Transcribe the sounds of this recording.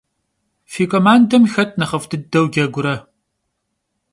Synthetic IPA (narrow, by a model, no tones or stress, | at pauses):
fiːkʷʼɐmaːndɐmxɐt̚ʰʼnɐχɐftʰɨdɐwɡʲɐɡʷʊɾɐ